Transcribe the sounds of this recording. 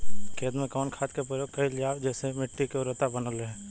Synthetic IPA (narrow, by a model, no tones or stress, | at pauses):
keːd̪mẽkɔːnkʰaːt̪kepɾəjoːɡ̚kəɦilɪjaːwd͡ʒɛːsemɪʈːikeoɾət̪abənəlɦɛ̃ː